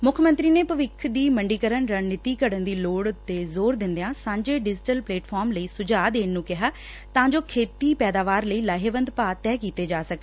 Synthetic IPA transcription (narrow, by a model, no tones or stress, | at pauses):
mʊkʰmənt̪ɾiːneːpəʋɪkʰd̪iːməɳɖiːkəɾəɳɾənɪt̪iːkəɽənd̪iːloːɽt̪eːzoːɾd̪ɪnd̪eãːsãːɲd͡ʒeːɖɪd͡ʒʈəlpleːʈpʰɔːɾmləiːsʊd͡ʒaːd̪eːnːũːkɪɦaː | t̪ãːd͡ʒoːkʰeːt̪iːpɛːd̪aːʋaːɾləiːlaːɦeːʋənd̪paːt̪ɛːkiːt̪eːd͡ʒaːsək